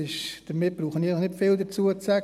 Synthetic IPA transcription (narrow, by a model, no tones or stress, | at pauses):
ɪʃd̥əmɪt̚b̥ɾuːχəniləχnɪtfɪldət͡suət͡sɛ